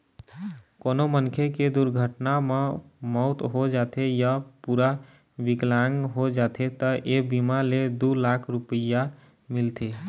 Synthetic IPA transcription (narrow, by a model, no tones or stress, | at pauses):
koːnomənkʰeked̪uɾɡʱəʈnamemɔʊt̪ɦod͡ʒat̪ʰejapuɾa | biklaŋɦod͡ʒaːt̪ʰet̪əʔebimaled̪ulakʰɾupəja | mɪlt̪ʰe